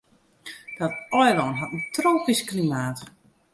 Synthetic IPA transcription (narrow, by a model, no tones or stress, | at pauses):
d̥ɔtɔjdɔːnɦatəntroːpisklimaːt